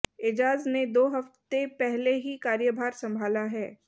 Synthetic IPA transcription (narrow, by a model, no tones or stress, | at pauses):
ɪd͡ʒaːzned̪oːɦɐft̪epɛɦleɦikaːɾjəbʱaːɾsɐ̃mbʱaːlaɦɛː